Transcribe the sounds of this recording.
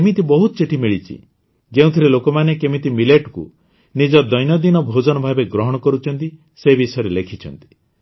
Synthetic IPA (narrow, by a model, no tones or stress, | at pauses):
kemit̪ibɔɦut̪ɔ̥t͡ʃeʈʰimiɭit͡ʃʰḭ | ɡew̃t̪ʰiɾelokɔmanekemit̪imileʈkṵ | nid͡ʒɔd̪ɔjnɔd̪inɔbʱod͡ʒɔnɔbʱabeɡɾɔɦɔɽ̃ɔkɔɾut͡ʃʰɔnt̪i | sebisɔjɔɾelekʰit͡ʃʰɔnt̪i̥